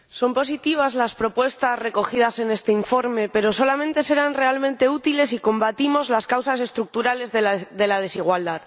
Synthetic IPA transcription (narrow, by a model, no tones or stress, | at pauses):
so̞mpo̞sit̪iβ̞azlaspɾo̞pwe̞st̪asre̞ko̞xið̞ase̞ne̞st̪e̞iɱfo̞ɾme̞pe̞ɾo̞so̞lamẽnt̪e̞se̞ɾanre̞almẽ̞nt̪e̞ut̪ile̞s̬iko̞mbat̪imo̞zlaskawsase̞st̪ɾuk̚t̪uɾale̞zðeðe̞laðe̞siɣ̞wald̪að